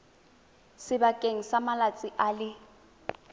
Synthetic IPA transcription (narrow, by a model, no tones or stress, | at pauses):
sɪbakʼeŋ̩samalat͡sʼɪʔalɪ